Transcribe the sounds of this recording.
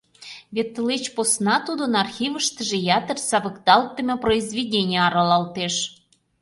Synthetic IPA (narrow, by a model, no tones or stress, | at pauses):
βʲet̪ːlet͡ɕposnɑt̪ud̪onɑrxʲivə̆ʃt̪ə̆ʒĕjɑt̪ərsɑβəkd̪ɑlˠt̪ːə̆mʲɤproizvʲedʲenʲijɑɾɑlɑlt̪eʃ